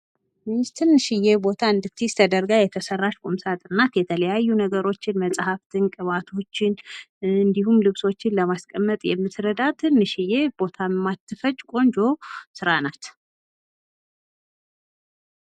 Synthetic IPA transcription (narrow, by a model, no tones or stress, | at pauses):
mɨst̪ʰɨnːɨʃɪjebo̞t̪ʰaɨnd̪ɨft̪ʰist̪ʰəd̪əɾɡajɛt̪ʰəsərːaʃkʼumsat̪ʼɨnːat̪jɛt̪ʰələjajːunəɡəɾo̞t͡ʃːɪnməsʼhaft̪ʰɨnkʼɨβat̪ʰo̞t͡ʃːɪnɨnd̪iɦumlɨβso̞t͡ʃːɪnləmaskʼəmːət̪ʼjɛ̰mːɨt̪ɾəd̪at̪ʰɨnːɨʃɪjeb̥o̞t̪ʰamːat̪ːɨfəd͡ʒkʼo̞nd͡ʒo̞sɨɾanat̪